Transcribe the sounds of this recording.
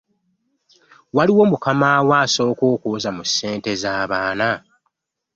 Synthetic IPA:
waliwo̞mukamawaːso̞ːkoːkuːzamusːe̞ːnte̞zaːβaːna

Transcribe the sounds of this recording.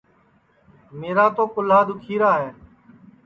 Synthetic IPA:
meːɾaːt̪oːkʊlaːd̪ʊkʰiːɾaːɦẽː

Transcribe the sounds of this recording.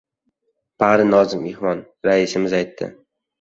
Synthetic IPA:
b̥aɾɪnɒzɪmehmɒn | ɾaɪsɪmɪzajt̪ʰːɪ̰

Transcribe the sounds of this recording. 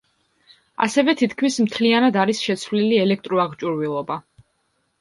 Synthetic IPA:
a̰sɛvɛt̪ʰit̪ʰkʰmismt̪ʰlianad̪aɾisʃɛt̪sʰvliliɛlɛk̚ʰt̪ʼɾɔaʁt͡ʃʼuɾvilˠɔba

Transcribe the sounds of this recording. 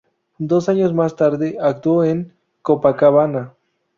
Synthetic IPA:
d̪osaɲosmast̪aɾd̪eʔak̚t̪uoeŋ | kopakaβana

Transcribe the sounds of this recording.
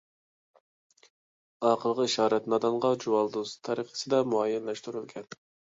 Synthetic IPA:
ɑqʰəlˠʁəiʃɑːɾɛt̪nɑd̪ɑɴʁɑd͡ʒuwɑlˠd̪uzt̪ʰɑɾəqə̥sɨd̪ɛmuɑjɛnlɛʃt̪uɾylˠɡʲʰɛn

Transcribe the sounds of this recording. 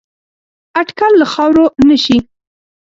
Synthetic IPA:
aʈkalːaxɑwɾonəʃi

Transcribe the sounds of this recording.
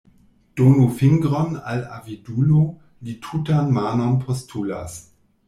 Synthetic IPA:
d̥oːnufɪŋɡʁɔna̰la̰vidulo | litʰutanmaːnɔnpʰɔstʰula̰s

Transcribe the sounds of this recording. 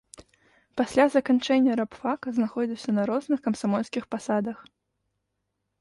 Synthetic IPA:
pasʲlʲazɐkant͡ʂɛnʲːɐɾapfakɐznaxɔd͡zʲiwsʲɐnɐɾɔznɨxkɐmsamɔlʲsʲkʲixpasad̪ɐx

